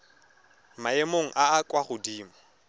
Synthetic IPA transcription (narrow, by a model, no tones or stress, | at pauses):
maemoŋ̩ʔaːkʼwaχʊdiːmɔ